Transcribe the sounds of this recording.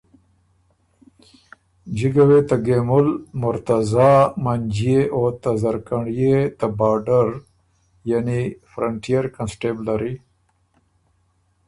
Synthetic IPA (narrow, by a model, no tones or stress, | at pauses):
d͡ʒiɡawet̪aɡemʊlmʊɾt̪azaːmaɲd͡ʒieʔot̪azaɾkaɳijet̪abaɖaɾ | janifɾaɳʈijaɾkansʈeblaɾi